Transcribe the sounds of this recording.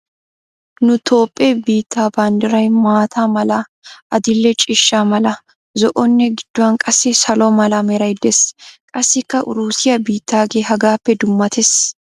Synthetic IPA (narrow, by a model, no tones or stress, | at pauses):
nʊt̪ʰo̞ːpʼːebiːt̪ːaːbaːnd̪ɪɾɐjmaːt̪ʰaːmɐlɐ | ʔɐd̪ɪlːɛt͡ʃʼɪʃːaːmɐlɐ | zɔʔɔnːɛɡɪd̪̥ːʊɐnkʼɐsːɪsɐlɔmɐlɐmɛɾɐjd̪ɛskʼɐsːɪkːɐʔʊɾuːsɪjɐbiːt̪ːaːɡeːɦɐɡaːpːɛd̪ʊmːɐt̪ʰɛs